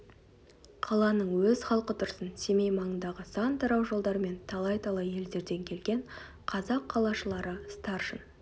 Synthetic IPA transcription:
qʰɑlˠɑnəɴwɵz̥χɑlˠqət̪ʰʊɾsənse̞me̞jmɑɴənd̪ɑʁəsɑnt̪ʰɑɾɑwʒo̞lˠd̪ɑɾəme̞nt̪ʰɑlˠɑjt̪ʰɑlˠɑje̞ld̪e̞ɾd̪e̞ŋkʲʰe̞lɡʲe̞ɴ | qʰɑzɑqʰːɑlˠɑʃəlˠɑɾəst̪ɑɾʒən

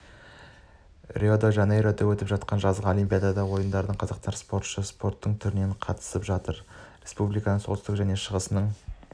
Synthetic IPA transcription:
rʲʔiod̪oʒɑnejɾod̪ɑwɵt̪ɪpʒɑt̪̚qɑnʒɑzʁəo̞limpʲijad̪ad̪ɑwo̞jənd̪ɑɾəd̪əɴqʰɑzɑqt̪ɑɾspo̞ɾt̪ʃəspo̞ɾt̪ːəɴt̪ʰʏɾɪneɴqʰɑt̪ə̥səpʒɑt̪əɾrʲe̞spublijkɑnəɴso̞lt̪t̪əqʒæne̞ʃəʁəsənəɴ

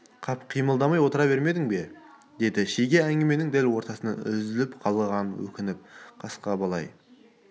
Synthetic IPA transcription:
qʰɑpqʰijməlˠd̪ɑmɑjwo̞t̪əɾɑβe̞ɾme̞d̪ɪŋbe̞ | d̪e̞d̪ɪʃejɡʲeæŋɡʲɪme̞nɪŋd̪ælwo̞ɾt̪ɑsənɑʏ̰zɪlɪpqʰɑlˠʁɑnwɵ̰kʲɪnɪp̚qʰɑsqɑbɑlˠɑ̰j

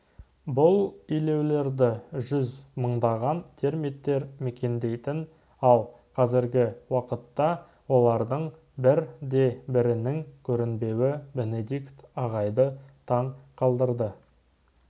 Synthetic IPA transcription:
bʊlˠijle̞wle̞ɾd̪ɪʒʏzməɴd̪ɑʁɑnt̪ʰe̞ɾmet̪ːe̞ɾmekʲe̞nd̪e̞jt̪ɪn | ɑlˠ | qʰɑzɪɾɡʲɪwɑqət̪ːɑ | wo̞lˠɑɾd̪əɴ | bɪɾd̪e̞bɪɾɪnɪŋkʲʰɵɾɪnbe̞wɪbe̞ne̞d̪ikt̪ɑʁɑjd̪ət̪ʰɑɴqʰɑlˠd̪əɾd̪ə

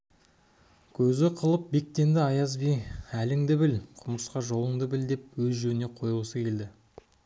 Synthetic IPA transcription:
kʲʰɵzɪqʰəlˠəp̚be̞k̚t̪e̞nd̪ɪɑjɑzbijælɪŋd̪ɪbɪlqʰʊməsqɑʒo̞lˠəɴd̪əbɪld̪e̞p̚wɵzʒɵɾɪne̞qʰo̞jəsəkʲʰe̞ld̪ɪ

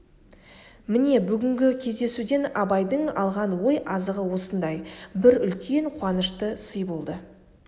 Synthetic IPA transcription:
mɪne̞bʏɡʲɪŋɡʲɪkʲʰe̞zd̪e̞sud̪e̞nɑbɑjd̪əɴɑlˠʁɑnwo̞jɑzəʁəwo̞sənd̪ɑjbɪɾʏlkʲʰe̞ɴqʰʊwɑnəʃt̪əsəjbo̞lˠd̪ə

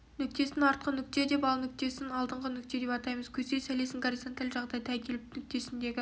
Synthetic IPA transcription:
nʏk̚t̪e̞sɪnɑɾt̪̚qənʏk̚t̪e̞d̪e̞pɑlˠnʏk̚t̪e̞sɪnɑlˠd̪əɴʁənʏk̚t̪e̞d̪e̞pɑt̪ɑjməz̥kʲʰɵze̞jsæle̞sɪŋɡoɾʲisont̪alʲʒɑʁd̪ɑjt̪ʰækʲʰe̞lɪpnʏk̚t̪e̞sɪnd̪e̞ɡʲɪ

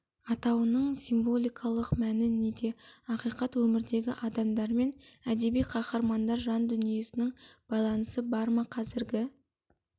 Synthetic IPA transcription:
ɑt̪ɑwənəɴsimvo̞lʲˠijkʰɑlˠəqmænɪne̞d̪e̞ɑqijqɑt̪wɵmɪɾd̪e̞ɡʲɪʔɑd̪ɑmd̪ɑɾme̞næd̪e̞bijqʰɑqɑɾmɑnd̪ɑɾʒɑnd̪ʏnije̞sɪnɪŋb̥ɑjlˠɑnəsəbɑɾmɑqʰɑzɪɾɡʲɪ

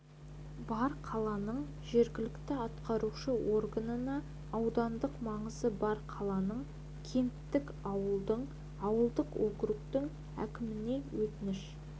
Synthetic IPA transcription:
bɑɾqʰɑlˠɑnəɴ | ʒe̞ɾɡʲɪlɪkt̪ɪɑt̪qɑɾuʃəwo̞rɡanənɑː | wd̪ɑnd̪əqmɑɴəzəbɑɾqʰɑlˠɑnəɴ | kʲʰe̞nt̪ːɪk | ɑwəlˠd̪əɴ | ɑwəlˠd̪əqwokɾʊkt̪ɪŋ | æ̰kʲɪmɪne̞wɵt̪ɪnɪʃ

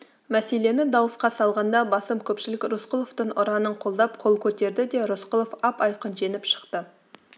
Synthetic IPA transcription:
mæse̞le̞nɪd̪ɑwəsqɑsɑlˠʁɑnd̪ɑbɑsəmkʲʰɵpʃɪlɪkʲɾosqʊlˠoft̪əɴʊɾɑnəɴqʰo̞lˠd̪ɑp̚qʰo̞lˠkʲʰɵt̪e̞ɾd̪ɪd̪e̞ɾosqʊlˠofɑpɑjqənʒe̞nɪpʃə̥qt̪ə

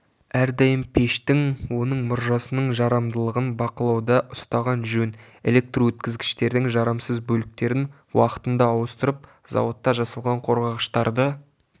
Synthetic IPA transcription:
æɾd̪ɑjəmpʰe̞ʃt̪ɪŋwo̞nəɴmʊɾʒɑsənəɴʒɑɾɑmd̪əlˠəʁənbɑqəlˠɑwd̪ɑʔʊst̪ɑʁɑnʒɵn | ele̞k̚t̪rowɵt̪̚kʲɪzɡʲɪ̥ʃt̪e̞ɾd̪ɪŋʒɑɾɑmsəzbɵlɪk̚t̪e̞ɾɪn | wɑqə̥t̪ənd̪ɑːwəst̪əɾəp̚ | zɑ̰wot̪ːɑʒɑsɑlˠʁɑɴqʰo̞ɾʁɑʁəʃt̪ɑɾd̪ə

